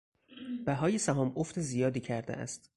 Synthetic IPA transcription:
b̥æɦɒːjesæɦɒːmoft̪ezijɒːd̪iːcʰæɾd̪ḛʔæ̰st̪

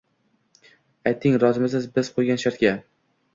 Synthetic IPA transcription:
ajt̪ʰːɪŋɾɒzɪmɪzɪzbɪz̥qʰojɡʲanʃaɾt̪̚ɡʲa

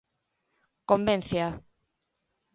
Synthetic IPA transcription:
kombẽnθja

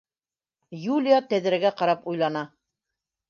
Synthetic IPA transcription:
julʲijat̪æðɘ̆ɾæɡæqɑɾɑpujlˠɑnɑ

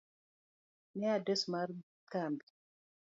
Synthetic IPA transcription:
nɛadɛsmaɾ | kambi

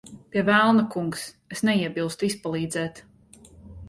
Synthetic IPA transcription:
piɛvælˠnakuŋks | esnɛiɛbilˠst̪uispalˠiːd̪zɛːt̪

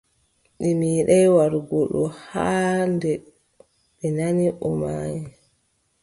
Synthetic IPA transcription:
ɗimiːɗajwaɾɡɔɗɔhaːndɛ | ɓɛnaniʔɔmaːjɛ

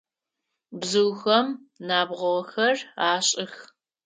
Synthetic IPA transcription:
bzɨwxɐmnaːbʁʷɔʁɐxɐraːɕʼɪx

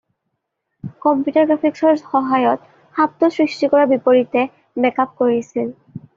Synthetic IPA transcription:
kɔmpjutɔɹɡɹapʰiksɔɹxɔɦajɔt | xap̚tɔsɹistikɔɹabipoɹitɛ | bɛkap̚koɹisil

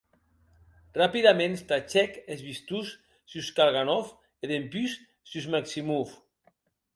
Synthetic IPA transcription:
rapiðamẽnst̪at͡ʃɛkezβist̪us | suskalɣanɔf | eðempys | syzmaksimuf

